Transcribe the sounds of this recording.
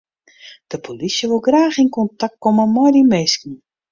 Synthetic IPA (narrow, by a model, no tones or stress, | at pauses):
d̥əpʰolisjəʋɪlˠɡraːxinkɔntak̚t̚koməmɔjdimeːskn̩